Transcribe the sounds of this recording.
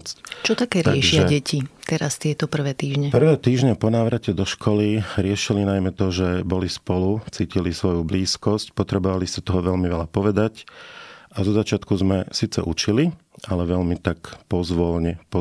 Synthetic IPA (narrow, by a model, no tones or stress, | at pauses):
t͡sct͡ʃɔt̪akɛːɾɪaɛʃɪʒaɛɟɛcʰit̪ɛɾast̪ɪɛt̪ɔpr̩ʋɛːt̪iːʒɲɛpr̩ʋɛːt̪iːʒɲɛpɔnaːʋɾacɛd̪ɔʃkʰɔliɾɪɛʃilinajmɛt̪ɔʒɛbɔlispɔlut͡siːcilisʋɔjubliːskɔscpɔt̪ɾɛbɔʋalisat̪ɔɦɔʋɛʎmiʋɛlapɔʋɛd̪ac | ʔazɔzat͡ʃɪat̪kuzmɛsiːt͡sɛ̰ʔut͡ʃiliʔalɛʋɛʎmit̪akpɔzʋɔlɲɛpɔ